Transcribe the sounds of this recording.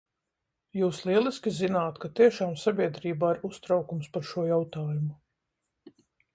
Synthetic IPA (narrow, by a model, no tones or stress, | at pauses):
juːslˠiɛlˠiskʲizinaːt̪kat̪iɛʃaːmsabʲiɛd̪ɾiːbaːiɾust̪ɾawkumspaɾʃuɔjawt̪aːjumu